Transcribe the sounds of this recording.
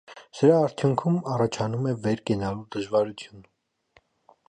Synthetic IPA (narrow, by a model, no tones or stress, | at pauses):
səɾɑːɾt̪ʰjuŋkʰumɑrɑt͡ʃʰɑnumɛvɛɾkɛnɑluɾd̪əʒvɑɾut͡s̪ʰjun